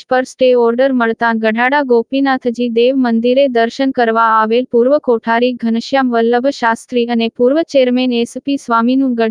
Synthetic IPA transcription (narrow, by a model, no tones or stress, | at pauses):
pəɾsʈeɔɾɖəɾməɭt̪aɡəɖʱaɽaɡopinat̪ʰd͡ʒid̪eʋmənd̪iɾed̪əɾʃənkəɾʋaːʋelpuɾʋəkoʈʰaɾiɡʱənəʃjamʋəlːəbʱəʃast̪ɾiənepuɾʋət͡ʃeɾmenespisʋaminũɡə